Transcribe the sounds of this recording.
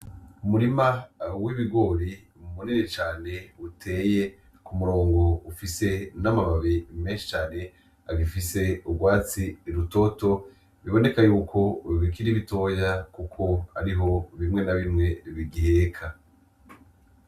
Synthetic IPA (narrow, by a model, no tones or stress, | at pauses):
umuɾimawiβiɡo̞ːɾiumumuniɾet͡ʃaːne̞utʰe̞ːje̞ | kumuɾo̞ːŋɡo̞ufise̞namaβaβime̞ːnʃi̥t͡ʃaːne̞ | aɡifise̞uɡwaːt͡siɾuto̞to̞ | βiβo̞ne̞kajuːkʰo̞βiβikiɾiβito̞ːjakukʰo̞aɾiɦo̞βimŋe̞naβimŋe̞βiɡiɦeːkʰa